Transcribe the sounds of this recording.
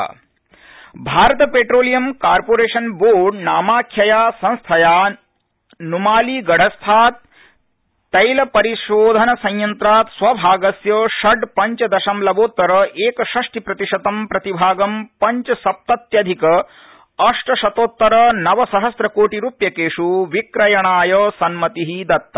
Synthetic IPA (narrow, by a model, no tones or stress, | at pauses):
bʱaːɾɐt̪ɐpeːʈɾoːlijɐmkaːɾpoːɾeːʃɐnboːɖnaːmaːkʰjɐjaːsɐ̃ñst̪ʰɐjaː | numaːliːɡɐɽ̤ʱɐst̪ʰaːt̪̚ː | ɐjlɐpɐɾiʃoːd̪ʱɐnɐsɐ̃jjɐnt̪ɾaːt̪sʋɐbʱaːɡɐsjɐʃɐɖpɐɲt͡ʃɐd̪ɐʃɐmlɐboːt̪ːɐɾɐʔeːkɐʃɐʂʈipɾɐt̪iʂɐt̪ɐmpɾɐt̪ibʱaːɡɐmpɐɲt͡ʃɐsɐp̚t̪ɐt̪jɐd̪ʱikɐ | ɐʂʈɐʃɐt̪oːt̪ːɐɾɐnɐʋɐsɐɦɐsɾɐkoːʈiɾuːpjɐkeːʂuʋikɾɐjɐɳaːjɐsɐnmɐt̪iɦid̪ɐt̪ːɐ